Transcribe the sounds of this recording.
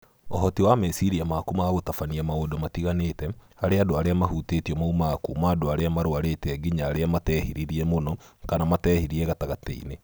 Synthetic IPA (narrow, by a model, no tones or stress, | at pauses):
oɦɔtiwamɛsiɾiamaːkumaaɣotafaniamaodɔmatiɣanetɛhaɾeadoaɾeamahutetiɔmaumakumaːdoaɾeamaɾoaɾetɛɡiɲaːɾeamatɛhiɾiɾiɛmonɔkanamatɛːhiɾiɛɣataɣatḛḭne